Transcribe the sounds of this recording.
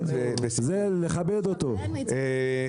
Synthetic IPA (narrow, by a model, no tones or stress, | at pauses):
zeleχabed̪ot̪o | e